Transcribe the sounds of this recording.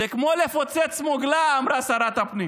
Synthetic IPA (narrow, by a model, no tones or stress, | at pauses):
ekmolefot͡set͡smoɡlaːmɾasaɾat̪apni